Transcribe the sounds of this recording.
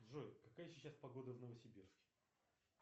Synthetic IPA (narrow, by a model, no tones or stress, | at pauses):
ʐojkɐkajəsʲɪt͡ɕːaspɐɡo̞d̪əvnəvəsʲɪbʲirskʲɪ̥